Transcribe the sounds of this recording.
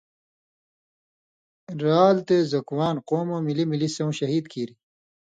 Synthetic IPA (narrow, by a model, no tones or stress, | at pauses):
ɾaːlt̪ezɐkwaːnqoːmoːmilimilisɐwũɕɐɦiːd̪kʰiːɾi